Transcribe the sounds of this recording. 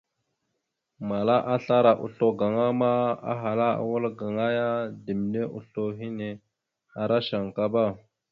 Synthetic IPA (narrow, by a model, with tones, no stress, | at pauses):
ma˨la˦ʔa˦ɬa˦ɾa˨ʔṵ˨ɬo˦ɡa˨ŋa˦ma˦a̰˦ɦa˨la˦a̰˨wo˦lɡa˨ŋa˦ja˦di˨m˨ne˦ʔṵ˨ɬo˦ɦi˦ne˨ | a˨ɾa˦ʃa˨ŋka˦ba˦˨